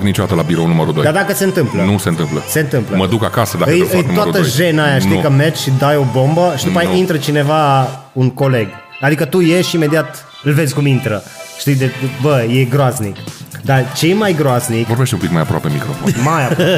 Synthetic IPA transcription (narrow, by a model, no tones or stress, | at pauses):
knit͡ʃod̪at̪əlabiɾonuməɾud̪od̪ad̪akəsent̪ɨmplənusent̪ɨmplə̰se̞ɨnt̪ɨmpləməd̪ukakasəd̪aɨjɨjnumoaɾut̪əʒenajaʃt̪ijkəmerd͡ʒʃid̪ajo̞bo̞mbəʃid̪pajaint̪ɾət͡ʃine̞vaunko̞le̞ɡ | ad̪ikət̪uje̞ʃime̞d̪iat̪ | ɨlve̞zʲkumint̪ɾə | ʃt̪ijd̪ebəje̞ɡɾoaznikd̪at͡ʃejmajɡɾoaznikvoɾbeʃt̪eũmpikmajapɾoa̰pemikɾofonnmajap